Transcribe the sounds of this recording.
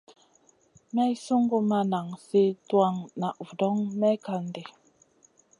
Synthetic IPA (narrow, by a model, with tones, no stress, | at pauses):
mɛ˦i˦su˦ŋɡu˦ma˦na˨ŋse˦twa˦˨ŋna˨ʔvu˨dɔ˦ŋmɛ˦ka˨n̩˦de˨